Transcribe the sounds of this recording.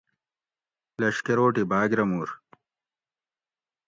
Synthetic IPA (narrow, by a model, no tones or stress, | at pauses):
lɐʂkeɾoːʈibaːɡɾɐmuːɾ